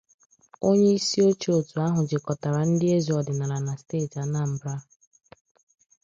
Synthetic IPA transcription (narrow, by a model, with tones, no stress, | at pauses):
o˦ɲe˦i˦si˦o˦t͡ʃo˨tu˨a˦ɦʊ˨d͡ʒɪ˨kɔ˨ta˨ɾa˨n̩˦dɪ˦e˦zi˨ɔ˨dɪ˨na˨ɾa˨na˨steː˦˨ta˨˦na˦m̩˨bɾa˦